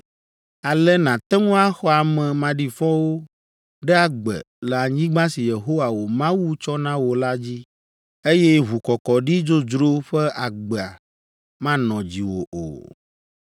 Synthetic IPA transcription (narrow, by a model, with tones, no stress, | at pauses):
a˨lɛ˦nã˨t̪ɛ˦ŋõ˦a˦xɔ˦a˨mɛ̃˨mã˨ɖi˨fɔ̃˦wo˦ | ɖɛ˦a˦˨ɡ͡bɛ̰˨ | lɛ˨a˨ɲĩ˦ɡ͡bã˦si˨je˨ɦo˦wa˨wo˨mã˦wu˦t͡ʃɔ˦nã˦wo˨la˦d͡ʑi˦ | e˦jɛ˦ɦu˨kɔ˨kɔ˨ɖi˦d͡ʒo˦d͡ʒɾo˦ɸɛ˦ʔa˨ɡ͡bɛ˨a˨ | mã˦nɔ̃˨d͡ʑi˨wo̰˨ʔo̰˨